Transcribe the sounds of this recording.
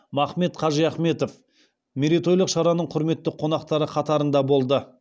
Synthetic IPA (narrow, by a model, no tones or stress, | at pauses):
mɑχme̞t̪qʰɑʒəjɑχme̞t̪o̞f | mʲeɾit̪o̞jlˠəqʃɑɾɑnəɴqʰʊɾme̞t̪ːɪqʰːo̞nɑqt̪ɑɾəqʰɑt̪ɑɾənd̪ɑbo̞lˠd̪ə